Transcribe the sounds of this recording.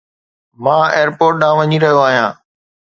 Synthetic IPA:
mãːeːɾpoːɾʈ̚ɗãːʋɐɲiɾɐɦijoaːɦijãː

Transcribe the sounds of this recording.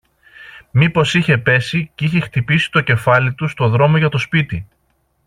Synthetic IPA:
mipo̞siçe̞pe̞siciçe̞xt̪ipisi̥t̪o̞ce̞fɐlit̪ust̪o̞ðɾo̞mo̞ʝɐt̪o̞spit̪i

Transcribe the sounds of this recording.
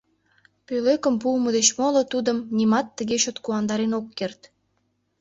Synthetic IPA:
pøløkəmpulməd̪et͡ɕmolot̪ud̪əmnimɑt̪ːəɣeɕot̪kuɑnd̪ɑɾenokːert̪

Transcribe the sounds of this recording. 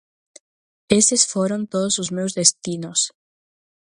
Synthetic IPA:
esesfoɾont̪oðʊsʊzmewzðest̪inos

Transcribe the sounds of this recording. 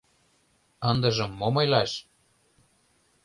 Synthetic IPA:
ɤnd̪ɤ̆ʒɤ̆mːomɤjlɑʃ

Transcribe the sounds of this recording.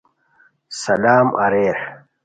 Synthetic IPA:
sɐlaːmɐ̰ɾeːɾ

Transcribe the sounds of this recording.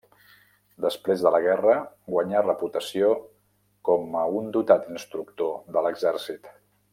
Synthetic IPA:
d̪əspɾezðələɣɛrə | ɡwəɲarəput̪əsio | kɔməund̪ut̪at̪inst̪ɾuk̚t̪oðələɡzɛɾsit̪

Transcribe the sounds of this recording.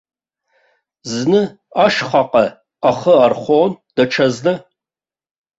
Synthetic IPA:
znɨ | aʂχaqʼɐ | aχəarχʷoːnd̥ɐʈ͡ʂʰɐznɨ

